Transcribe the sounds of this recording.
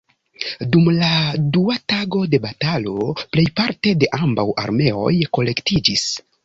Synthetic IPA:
dumladuataɡo̞de̞batalo̞ple̞jpaɾte̞de̞ʔambawʔa̰ɾme̞o̞̰jko̞le̞ktid͡ʒis

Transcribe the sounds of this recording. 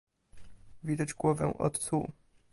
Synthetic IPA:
vʲid̪ad͡ʑɡwɔvɛ̰̃ʔɔ̰t̪t̪su

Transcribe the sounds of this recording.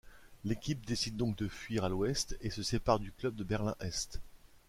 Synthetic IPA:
lekʲip̚d̪esid̪̚ːɔ̃k̚d̪əfɥiʁalwɛst̪esəsepaʁd̪yklœb̚d̪əbɛʁlɛ̃ʔɛst̪

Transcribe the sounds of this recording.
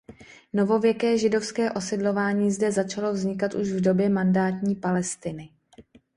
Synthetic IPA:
no̞vo̞vjɛkɛːʒɪdo̞fskɛːʔo̞sɪdlo̞vaːɲiːzdɛzat͡ʃalo̞vzɲɪkat̪ʔuʃvdo̞bjɛmandaːt̪ɲiːpalɛst̪ɪnɪ

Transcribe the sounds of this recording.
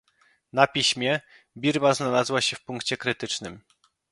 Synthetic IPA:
napʲiɕmʲjɛ | bʲiɾmaznalazwaɕɛfpuŋkt͡ɕɛkɾɘt̪ɘt͡ʂnɘm

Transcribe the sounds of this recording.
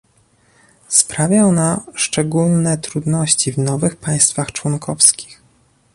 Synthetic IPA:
spɾavʲjaɔnaʂt͡ʂɛɡulnɛt̪ɾud̪nɔɕt͡ɕivnɔvɘxpaj̃st̪faxt͡ʂwɔnkʰɔfskʲi̥x

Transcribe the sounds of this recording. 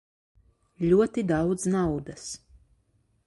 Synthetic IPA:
lʲuɔt̪id̪awd̪znawd̪as

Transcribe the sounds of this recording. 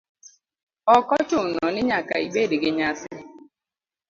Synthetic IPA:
ɔkɔt͡ʃʊnɔnɪɲaka̰ḭɡ͡bedɪɡɪɲasɪ

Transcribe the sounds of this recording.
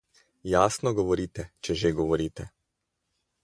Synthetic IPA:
jaːsnɔɡɔʋɔɾiːt̪ɛt͡ʃɛʒeɡɔʋɔɾiːt̪ɛ

